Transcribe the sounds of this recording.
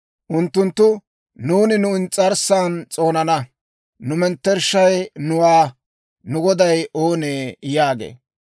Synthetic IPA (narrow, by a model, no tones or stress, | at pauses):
ʔʊnt̪ːʊnt̪ːʊ | nuːnɪnʊɪnt͡sʼɐɾsaːnt͡sʼo̞ːnɐnɐ | nʊmɛnt̪ːɛɾʃːɐjnʊwaː | nʊɡɔd̪ɐjʔoːneːjaːɡḛː